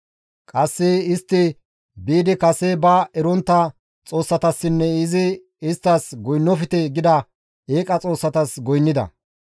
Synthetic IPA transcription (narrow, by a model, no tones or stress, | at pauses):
kʼɐsːɛɪst̪ːɪ | biːd̪ɪkɐsɛbɐɛɾɔnt̪ːɐ | t͡sʼo̞ːsːɐt̪ɐsːɪnːɛɪzɪ | ɪst̪ːɐsɡɔjnːɔfɪt̪ɛɡɪd̪ɐ | eːkʼɐt͡sʼo̞ːsːɐt̪ɐsɡɔjnːɪd̪ɐ̰